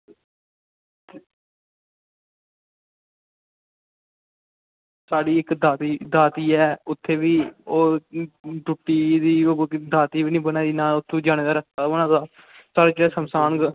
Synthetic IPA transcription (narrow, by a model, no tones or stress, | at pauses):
saːɖiːɪkd̪aːt̪iːd̪aːt̪iːɛːʊt̪ʰːeːʋiːoː | d͡ʒʊʈːiːd̪iːoːd̪aːt̪iːʋiːnĩːbənaːiːnaːʊt̪ʰːeːd͡ʒaːɽ̃eːd̪aːɾəkt̪aːʊnãːd̪aː | saːɽaːd͡ʒəɽaːsəmsaːnɡ